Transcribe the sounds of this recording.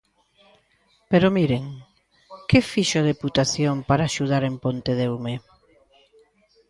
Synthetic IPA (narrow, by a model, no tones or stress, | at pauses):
peɾomiɾeŋ | kefiʃʊaðeput̪aθjompaɾaːʃuð̞aɾempont̪eðewme